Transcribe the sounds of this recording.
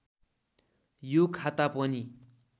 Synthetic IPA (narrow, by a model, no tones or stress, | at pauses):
jokʰat̪apʌni